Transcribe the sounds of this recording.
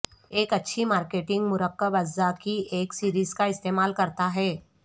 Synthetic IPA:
eːkɐtːʃʰimaːɾkeːʈɪ̃ŋɡmʊɾəqːəbɐzːakieːksiːɾiːzkaɪst̪eːmaːlkɐɾt̪aɦɛː

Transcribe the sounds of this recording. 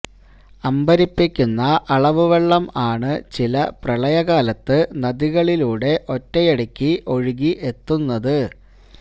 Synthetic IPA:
ɐmbɐɾipːikʲːunːɐʔɐɭɐʋuʋeɭːɐmaːɳɨt͡ɕilɐprɐɭɐjɐɣaːlɐt̪ːɨnɐðiɣɐɭiluːɽe̞ʔo̞tːɐjɐɽɐkʲːiʔo̞ɻiɣiʔe̞t̪ːunːɐðɨ

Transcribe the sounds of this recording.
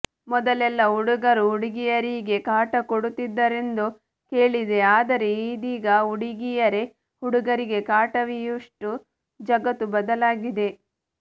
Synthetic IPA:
mɔd̪ɐlɛlːɐɦuɽuɡɐɾuɦuɽiɡijɐɾiːɡe̞kaːʈɐkoɽut̪ːid̪ːɐɾe̞nd̪u | ke̞ːɭid̪e̞aːd̪ɐɾe̞id̪iːɡɐuɽiɡijɐɾe̞ | huɽuɡɐɾiɡe̞kaːʈɐʋijuʂʈu | d͡ʒɐɡɐt̪ːubɐd̪ɐlaːɡid̪e̞

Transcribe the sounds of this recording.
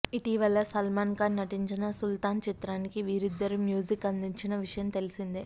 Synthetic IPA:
iʈiːʋɐlːɐsɐlmaːnkaːnːɐʈiɲt͡ʃinɐsult̪aːnt͡ʃit̪ɾaːnikiʋiːɾid̪ːɐɾumjuːd͡ʒikɐnd̪iɲt͡ʃinɐʋiʂɐjɐmt̪e̞lisind̪i

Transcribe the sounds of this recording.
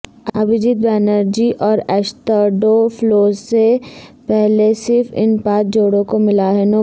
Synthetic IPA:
əbɪd͡ʒɪt̪̚bɛːnəɾd͡ʒiʔɔːɾɛːst̪aːɖoploːsepɛɦlesɪɾfɪ̰npaːt̪̚d͡ʒoːɽõkomɪlaɦɛno

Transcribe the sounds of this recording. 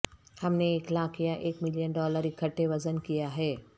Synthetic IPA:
hɐmneeːklaːkʰjaʔeːkmɪlijənɖɔːləɾikʰɐʈːeʋɐzənkijaɦɛː

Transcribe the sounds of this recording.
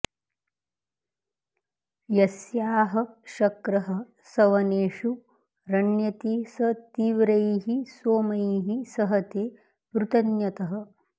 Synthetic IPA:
jɐsjaːɦɐʃɐkɾɐɦɐ̆ | sɐʋɐneːʂu | ɾɐɳjɐt̪iːsɐt̪iːʋɾɐjɦisoːmɐjɦisɐɦɐt̪eː | ʋɾut̪ɐnjɐt̪ɐɦɐ̆

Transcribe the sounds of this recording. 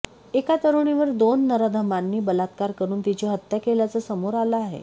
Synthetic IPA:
ekat̪əɾuɽ̃iʋəɾd̪onːəɾəd̪ʱəmanːiːbəlat̪kaɾkəɾuːnt̪it͡ɕeɦət̪jakeljat͡səːsəmoɾaləaɦḛ

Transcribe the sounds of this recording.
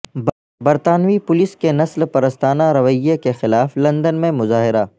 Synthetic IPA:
b | bɐɾt̪aːnʋipʊlɪskenɐslpɐɾəst̪aːnaɾɐʋəjːekexɪlaːflɐ̃nd̪ənmẽmʊzaːɦɪɾa

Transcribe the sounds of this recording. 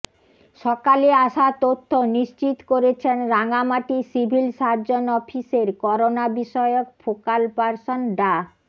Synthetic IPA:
ʃɔkaleaʃat̪ot̪ʰːoniʃt͡ɕit̪koɾet͡ɕʰenɾaŋamaʈisibʱilʃaɾd͡ʑonɔfʰiseɾkɔɾonabiʃɔeok̚fokalpaɾsonɖa

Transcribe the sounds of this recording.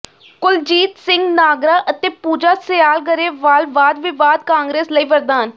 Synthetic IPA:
kʊld͡ʒiːt̪sɪŋɡnaːɡɾaːʔət̪eːpuːd͡ʒaːsɪjaːlkəɾeːʋaːlʋaːd̪ʋɪʋaːd̪kãːŋɡɾeːsləiːʋəɾd̪aːn

